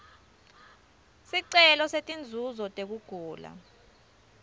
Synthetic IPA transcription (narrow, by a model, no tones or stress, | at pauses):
siǀɛlɔsetʼind͡zʱuzɔtʼek̬uɡ̥ʱuːla̰